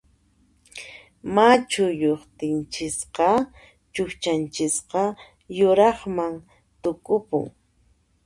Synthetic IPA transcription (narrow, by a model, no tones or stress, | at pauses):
mat͡ʃʊjoχt̪ɪnt͡ʃɪsqɑ | t͡ʃʊxt͡ʃant͡ʃɪsqɑ | jʊɾɑχmaŋ | t̪ʊkʊpʊ̰ŋ